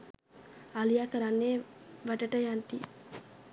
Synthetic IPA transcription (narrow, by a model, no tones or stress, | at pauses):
alijakəɾanːeʋæʈəʈəjant̪i